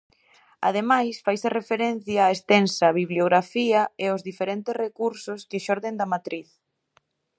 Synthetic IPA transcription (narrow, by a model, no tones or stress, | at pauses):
a̰ðemajsfajsɪrefeɾen̟θjaːest̪ɛnsɐβiβljoɣɾafiɐeʊzðifeɾent̪ɪszrekuɾsʊskɪʃɔɾðend̪ɐmat̪ɾiθ